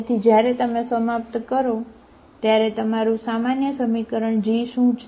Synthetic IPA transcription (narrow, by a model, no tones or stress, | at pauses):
t̪ʰid͡ʒjaɾɛt̪əmesəmap̚t̪kəɾo | t̪jaɾɛt̪əmaɾũsamanjəsəmikəɾəɳd͡ʒiʃũt͡ʃʰ